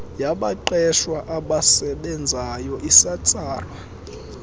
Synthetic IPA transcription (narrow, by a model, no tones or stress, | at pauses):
jaɓaǃɛʃwaʔaɓasɛɓɛnd͡zʱajɔʔisat͡sʼaːrwa